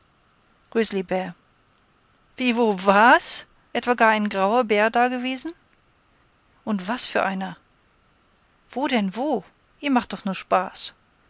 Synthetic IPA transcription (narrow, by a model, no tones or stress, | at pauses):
ɡ̥ʁɪzlibɛɐ | v̥iːvoːvaːɐs | ʔɛtv̥aːɡaːɐaɪnɡʁaʊɐbeːɐdaːɐɡəveːzn̩ | ʔʊntv̥asfyːɐʔaɪnɐ | v̥oːdɛnvoː | ʔiːɐmaχtd̥ɔχnuːɐʃpaːs